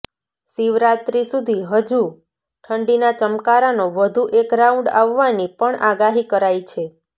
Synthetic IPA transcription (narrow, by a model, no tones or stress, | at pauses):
siʋɾat̪ɾisud̪ʱiɦəd͡ʒu | ʈʰəɳɖinat͡ʃəmkaɾanoʋəd̪ʱuʔekɾaũɳɖaʋːanipəɳaɡaɦikəɾajt͡ʃʰe